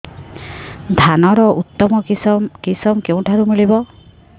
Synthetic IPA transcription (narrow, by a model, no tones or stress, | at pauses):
d̪ʱanɔɾɔʔut̪ːɔmɔkisɔmkew̃ʈʰaɾumiɭibɔ